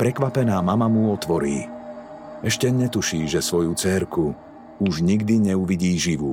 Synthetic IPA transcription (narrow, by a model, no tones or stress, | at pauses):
pɾɛkʋapɛnaːmamamuɔt̪ʋɔɾḭː | ɛʃcɛɲɛt̪uʃiːʒɛsʋɔjut͡sɛɾku | uʒɲiɡd̪iɲɛuʋiɟiːʒiʋṵ